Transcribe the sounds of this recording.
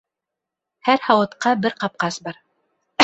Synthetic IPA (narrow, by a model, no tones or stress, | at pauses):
hæɾhɑwɤ̆t̪qɑbɘɾqɑp̚qɑsbɑɾ